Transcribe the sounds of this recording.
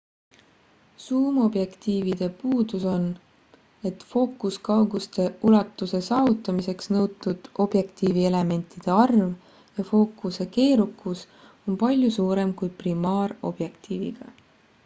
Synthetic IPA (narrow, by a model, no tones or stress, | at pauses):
suːmo̞b̥je̞kt̪iːvid̪̥e̞puːd̪̥uso̞n | e̞t̪fo̞ːkːˑuskɑwɡ̥ust̪e̞ulɑt̪ːˑuse̞sɑːvut̪ːˑɑmise̞ksnɤwt̪ːˑud̪̥o̞b̥je̞kt̪iːvie̞le̞me̞nʲt̪ːˑid̪̥e̞ɑrv | jɑfo̞ːkˑuse̞ke̞ːɾukːˑus | o̞mpɑlʲjusuːɾe̞mkujprimɑːro̞̰b̥je̞kt̪iːvḭɡ̥ɑ̰